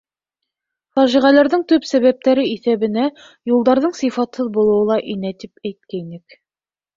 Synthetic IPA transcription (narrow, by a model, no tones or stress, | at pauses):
fɑʒiʁælæɾðɘɴt̪ɵpsæβæp̚t̪æɾɘiθæβɘ̆næ | julˠd̪ɑɾðɤɴsifɑt̪hɤðbulˠɤ̆wɤlˠɑʔinæt̪ipæjt̪̚kæinɘk